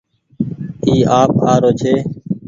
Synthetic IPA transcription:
iːʔaːp̚aːɾoːt͡ʃʰeː

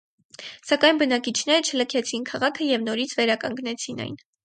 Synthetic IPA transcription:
sɑkɑjnbənɑkit͡ʃʰn̪ɛɾət͡ʃʰələkʰɛt͡sʰinkʰɑʁɑkʰəjɛvnɔɾit͡sʰvɛɾɑkɑŋɡnɛt͡sʰinɑ̰jn

